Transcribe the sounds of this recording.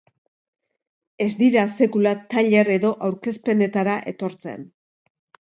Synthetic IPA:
e̞zd̪iɾase̞kulat̪aʎe̞ɾe̞ðo̞ʔawɾke̞spe̞ne̞t̪aɾaʔe̞t̪o̞ɾt͡se̞̰n

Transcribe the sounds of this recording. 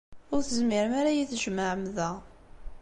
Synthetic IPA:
ʊɾθəzmɪɾəmaɾajiθʒməʕəmðæ

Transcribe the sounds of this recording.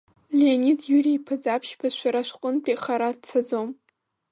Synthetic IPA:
leanidjuriipʰɨd͡zapʰʃpʰaʃʷaɾaʃʷqʷʼʊnpʰʼiχaɾat͡sʰad͡zom

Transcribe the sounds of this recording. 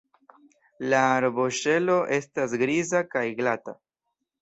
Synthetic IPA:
laɾbo̞ʃe̞lo̞ʔe̞stas̬ɡɾizakajɡlata

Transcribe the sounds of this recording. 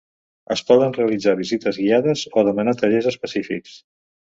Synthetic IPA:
əspɔðənreəlid͡zaβizit̪əzɣiaðəzoðəmənat̪əʎezəspəsifiks

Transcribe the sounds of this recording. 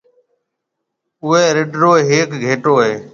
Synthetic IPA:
ʊɦeːɾɪɖɾoːɦeːkɡʱeːʈoːɦeː

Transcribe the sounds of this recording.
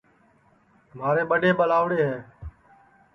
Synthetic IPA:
maːɾeːɓəɖeːɓəlaːʋɽeːɦɛː

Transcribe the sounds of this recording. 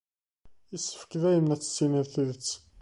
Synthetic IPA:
isːə̥fə̥kðæjənæt͡sːə̥t͡sːinəɾθəðət͡sː

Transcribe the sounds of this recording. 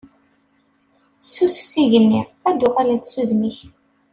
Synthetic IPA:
sːussiʝənːiæd̪ːʊʁalæθsuðmiç

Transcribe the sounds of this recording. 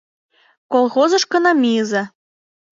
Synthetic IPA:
kolˠxozɤ̆ʃkɤ̆nɑmʲiəzɑ

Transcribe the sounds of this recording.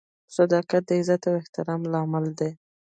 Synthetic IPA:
sad̪ɑkat̪̚d̪əɪzat̪awɪht̪ɪɾɑmlɑmɪld̪e

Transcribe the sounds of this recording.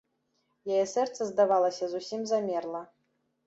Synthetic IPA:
jajɛsɛrt̪sɐzd̪avalˠɐsʲɐzusʲimzamʲɛrlˠɐ

